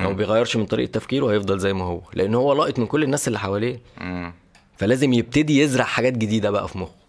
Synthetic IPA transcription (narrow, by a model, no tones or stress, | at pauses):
æmæbejɣæjːɑɾʃment̪ˤɑɾḭʔet̪ːæfkiːɾwehæjefd̪ˤɑlzæjːmæhowːælḛʔenːhowːælɑːʔet̪ˤmenkolːenːæːselːiħawæleː | fælæːzemjeb̚t̪æd̪ijezɾˤɑʕħaɡæːt̪̚ɡed̪iːd̪æbæʔæ̰fimox